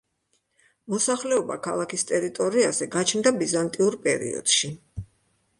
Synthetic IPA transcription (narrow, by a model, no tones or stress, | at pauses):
mɔsaχlɛɔba̰kʰalˠakʰist̪ʼɛɾit̪ʼɔɾiazɛɡat͡ʃʰnd̪abizant̪ʼiuɾpʼɛ̰ɾḭɔ̰d̪̥ʃi